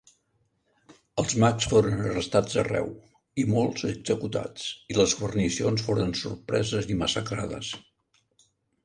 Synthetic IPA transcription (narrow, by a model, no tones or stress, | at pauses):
əlˠzmaksfoɾənərəst̪ad͡zərɛ̰w | imolˠzəɡz̥əkut̪a̰t͡siləzɣuβərnisionsfoɾənsṵrpɾɛzəziməsəkɾaðə̰s